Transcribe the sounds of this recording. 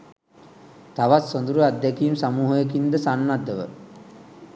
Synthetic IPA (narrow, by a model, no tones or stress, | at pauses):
t̪aʋat̪sond̪uɾuad̪ːekiːmsamuːɦojəkind̪əsanːad̪ːəʋə̰